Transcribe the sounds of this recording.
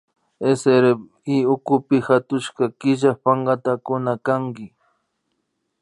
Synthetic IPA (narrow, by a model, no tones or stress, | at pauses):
eseɾeb | iʊkʊpɪhat̪ʊʃkɑkɪʒaχpaɴɢɑt̪akʊnakaŋkɪ